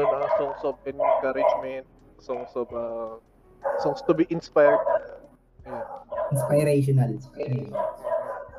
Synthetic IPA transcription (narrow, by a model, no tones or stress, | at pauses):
onɐsɔŋsɔbɛ̃nkaɾɪd͡ʒmɛnt̪̚ | sɔŋsɔbɐ | sɔŋst̪ʊbiʔɪnspajɹd̪̚ | jaʔɪnspajɾeʃ̬ɔnɐlspajɾeʃn